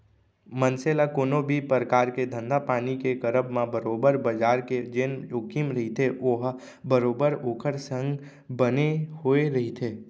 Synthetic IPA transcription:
mənselakoːnõbʱipɾəkaːɾked̪ʱə̃nd̪apaːnikekəɾəbmãbəɾoːbəɾbəd͡ʒaːɾked͡ʒenjoːkimɾɐɦit̪ʰeʔoɦ | bəɾoːbəɾoːkʰəɾsə̃ŋɡ | bənehoːeɾɐɦit̪ʰeː

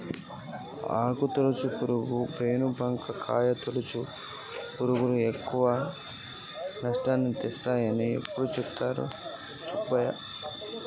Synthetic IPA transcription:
a̰ːkut̪olut͡ʃupuɾuɡupeːnubʱɐŋkʰɐkʰa̰ːjɐt̪olut͡ʃu | puɾuɡuluekːuʋa | nɐʂʈaːnːit̪est̪aːjɐniḛpːuɽut͡ʃukt̪aːɾṵ | t͡ʃukbɐjɐ̰

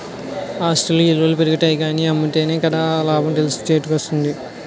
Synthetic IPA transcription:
aːsʈɐluilʋɐlupeɾuɡɐʈɐjiɡaːniɐmːuʈe̞ːneːkɐd̪aːlaːbɐnʈ̪elist͡ʃeːɐʈːukost̪und̪i

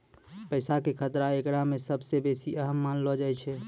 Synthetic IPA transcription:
pəɪsakekʰət̪ɾaekɾamesəbsebesiʔəɦəmːanlɔd͡ʒajt͡ʃʰɛ

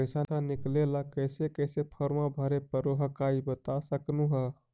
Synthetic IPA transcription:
pəjsanɦãniklelakəjsekəjsepʰəɾmãbʱəɾepəɾoɦəkaibət̪asəknuɦə

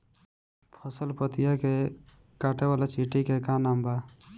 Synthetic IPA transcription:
pʰəsəlpət̪ijake | kaːʈewalat͡ʃiʈikekanamba

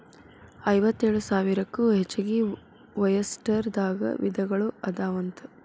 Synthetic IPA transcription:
ɐjʋɐt̪ːeːɭusaːʋiɾɐkːuɦet͡ʃːɐɡi | ʋɐjɐsʈɐɾd̪aːɡɐ̰ʋḭd̪ʱɐɡɐɭuɐd̪aːʋɐnt̪u

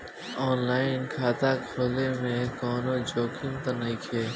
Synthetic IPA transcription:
ɔːnlaːɪnkʰaːt̪akʰoːlemẽkɔːnod͡ʒoːkʰimt̪ɐnəikʰeː

